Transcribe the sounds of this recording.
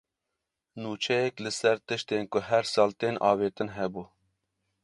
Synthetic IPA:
nuːt͡ʃʰɛjɛklɨsɛɾt̪ɨʃt̪eːnkʊɦɛɾsɑːlt̪eːnʔɑ̰ːveːt̪ɨnɦɛbuː

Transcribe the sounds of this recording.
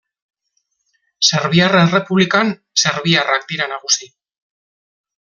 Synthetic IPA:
se̞ɾβiarenre̞puβlikan | se̞ɾβiarak̚d̪iɾanaɣusi

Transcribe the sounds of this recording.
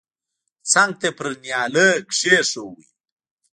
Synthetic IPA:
t͡saŋɡ̚t̪epɾnjɑːləɡʂeʂowḭ

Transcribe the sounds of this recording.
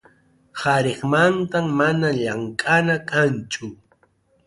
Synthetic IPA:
haɾeχmant̪ammanaʎaŋkʼanakant͡ʃʊ

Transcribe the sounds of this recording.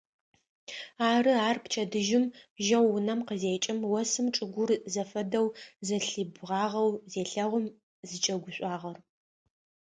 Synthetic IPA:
aːrɨaːrpt͡ʃʰɐdɨʒɪmʒɐwːʊnɐmqəzeːt͡ʃʼɪmwɐsɨmʈ͡ʂʼɨɡʷʊrzɐfɐdɐwzɐɬɨbʁɑːʁɐwzeːɬɐʁʷʊm | zɨt͡ʃʼɐɡʷʊɕʷʼɑːʁɐr

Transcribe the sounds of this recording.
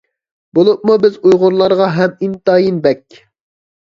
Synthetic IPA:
bolˠup̚mubɪzujʁʊɾlˠɑɾʁɑɦɛmint̪ɑjinbɛkʲ

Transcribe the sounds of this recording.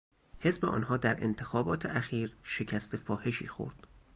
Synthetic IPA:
he̞zbeʔɒ̰ːnhɒːd̪æɾʔe̞̰nt̪ʰe̞xɒːbɒːt̪ʰeʔæxiːɾʃe̞cʰæst̪ʰe̞fɒːhe̞ʃḭːxo̰ɾd̪̥

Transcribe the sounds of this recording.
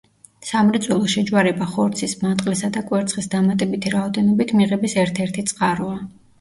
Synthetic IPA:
samɾɛd̪zʼwɛlˠɔʃɛd͡ʒwaɾɛbaχɔɾt̪sʰismant̪ʼqʼlɛsad̪akʼwɛɾt̪sʰχisd̪amat̪ʼɛbit̪ʰiɾaɔd̪ɛnɔbit̪ʰmiʁɛbisɛɾt̪ʰɛɾt̪ʰit̪sʼqʼaɾɔa

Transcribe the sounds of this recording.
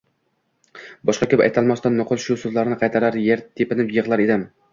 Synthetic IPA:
bɒʃqɑkʲʰɵpa̰jt̪ʰalˠmast̪anːʊqʰʊlˠʃʊsozlaɾɪnɪqʰɑjt̪ʰaɾaɾjeɾt̪ʰepɪnɪpjɨʁlˠaɾed̪ɪm

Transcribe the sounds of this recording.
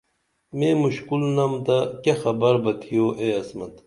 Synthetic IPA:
mẽːmuɕkulnɐmt̪ɐkexɐbɐɾbɐt̪ʰijoːʔeːɐsmɐt̪

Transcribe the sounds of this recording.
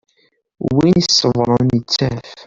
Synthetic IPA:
winisːəvɾˤənət͡sːæf

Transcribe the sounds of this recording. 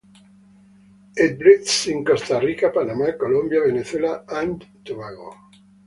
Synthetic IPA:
ed̪̚bɾit̪sĩŋkost̪arikapanamakolõmbjaβeneθwelaãnd̪t̪uβaɣo̰

